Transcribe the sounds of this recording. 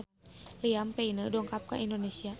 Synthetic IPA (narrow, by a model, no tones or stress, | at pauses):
liampeinədɔŋkap̚ka̰ʔindonesia